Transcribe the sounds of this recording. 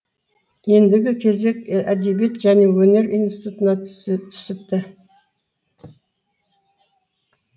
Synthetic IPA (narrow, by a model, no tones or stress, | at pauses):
je̞nd̪ɪɡʲɪkʲʰe̞ze̞kʲæd̪ebijet̪ʒæne̞wɵne̞ɾijnsit̪ut̪ənɑt̪ʰʏ̥sɪp̚t̪ɪ